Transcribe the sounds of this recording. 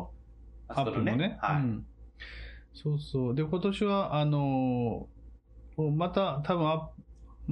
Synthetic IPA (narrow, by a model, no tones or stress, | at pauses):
apːɯɾɯnmone̞aɯ̟̃ɴ | so̞ːsoːd̪e̞ko̞t̪o̞ɕiβaʔano̞ | omat̪at̪ʰabɯ̟̃ɰapm